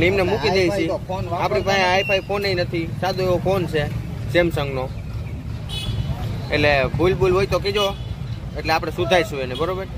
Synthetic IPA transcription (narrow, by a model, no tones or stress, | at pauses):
nimnɛmũkid̪eʋit͡ʃʰiapɽ̃ipãeajpʰaikoneinət̪ʰisad̪ʱueokont͡ʃʰe | semsə̃ŋɡno | eʈlebʱulbʱulʋojt̪okid͡ʒo | eʈleapɽ̃esud̪ʱajsũenebəɾobəɾ